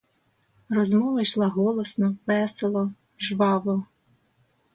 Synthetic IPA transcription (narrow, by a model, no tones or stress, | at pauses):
rɔzmɔʋɐjʃlˠɑɦɔlˠɔsnɔʋɛselˠɔ | ʒʋɑʋɔ